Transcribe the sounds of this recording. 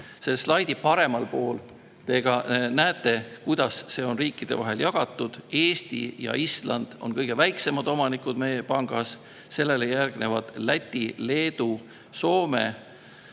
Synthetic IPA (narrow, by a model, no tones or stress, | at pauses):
se̞slɑjd̪̥ipɑɾe̞mɑlpo̞ːl | t̪e̞ɡ̥ɑnæet̪ˑːe̞kujd̪̥ɑsːe̞o̞nriːkːˑid̪̥e̞̰vɑ̰ɦe̞ljɑɡ̥ɑt̪ˑːud̪̥e̞ːst̪ḭjɑ̰ʔislɑnd̪̥o̞̰nkɤjɡ̥e̞væjkse̞mɑd̪̥o̞mɑnikud̪me̞jepɑŋɡ̥ɑs | se̞lːe̞lejærɡ̥ne̞vɑd̪̥læt̪ʲːˑile̞ːd̪u | so̞ːme̞̰